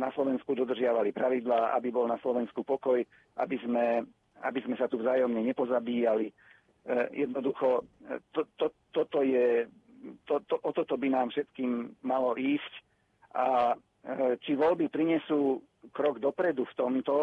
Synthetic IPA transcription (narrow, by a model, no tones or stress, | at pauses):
naslɔʋɛnskud̪ɔd̪r̩ʒɪaʋalipɾaʋid̪laːʔa̰bibɔlnaslɔʋɛnskupɔkɔj | ʔa̰bizmɛ | a̰bizmɛsat̪uvzaːjɔmɲɛɲɛpɔzabiːjali | jɛd̪nɔd̪uxɔt̪ɔt̪ɔt̪ɔt̪ɔjɛ | t̪ɔt̪ɔʔɔt̪ɔt̪ɔbinaːmfʃɛt̪kiːmːalɔʔiːsc | ʔa | t͡ʃiʋɔlbipɾiɲɛsuː | kɾɔɡd̪ɔpɾɛd̪uft̪ɔmt̪ɔ